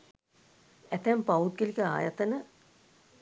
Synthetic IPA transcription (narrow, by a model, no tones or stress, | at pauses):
æt̪æmpaʋut̪̚ɡelikəa̰ːjat̪ənə